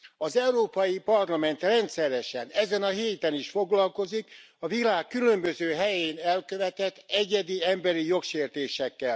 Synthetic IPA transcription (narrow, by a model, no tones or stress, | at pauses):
ɒzɛuɾoːpɒjipɒrlɒmɛnt̪rɛnt̪sɛɾɛʃɛnɛzɛnɒɦeːt̪ɛniʃfo̞ɡlɒlko̞zik | ɒvilaːkːylø̞mbø̞zøːɦɛjeːnɛlkøvɛt̪ɛt̪ːɛɟɛd̪iɛmbɛɾijo̞kʃeːrt̪eːʃɛkːɛl